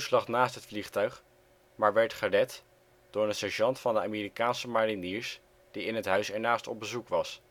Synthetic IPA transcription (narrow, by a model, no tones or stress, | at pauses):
slɑχnaːstɦətfliχtœɥχ | maːɹʋɛɹtχərɛt | d̥ʊːɹənsɛʒɑntfɑndəaːmiːrikaːnsəmariniːɹs | d̥iɪnɦətɦœɥsɛɹnaːstɔ̰b̚bəzukʋɑs